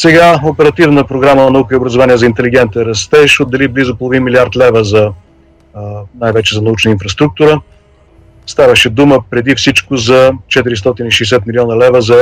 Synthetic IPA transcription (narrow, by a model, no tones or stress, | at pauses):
sɛɡaopɛɾɐt̪ivnəpɾoɡɾamənɐnɐukəiobɾəzovaniəzɐint̪ɛliɡ̟ɛnt̪ɛɾɐst̪ɛʃod̪ːɛliblizʊpolˠovinmiliaɾt̪lɛvəzɐ | najvɛt͡ʃɛzɐnɐut͡ʃnəinfɾɐst̪ɾuk̚t̪uɾə | st̪avəʃɛd̪uməpɾɛd̪ifsit͡ʃkʊzɐt͡ʃɛt̪iɾist̪ɔt̪iniʃɛɛsɛt̪milʲiɔnəlɛvəzɐ